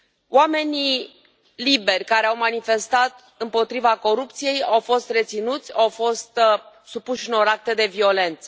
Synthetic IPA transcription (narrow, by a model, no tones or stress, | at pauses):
wame̞ni | libe̞rʲkaɾe̞awmanife̞st̪at̪ | ɨmpo̞t̪ɾivako̞ɾupt̪sije̞jawfo̞st̪re̞t̪sinut̪sʲawfo̞st̪ | supuʃɨno̞ɾak̚t̪ed̪e̞vio̞le̞nt̪sə̥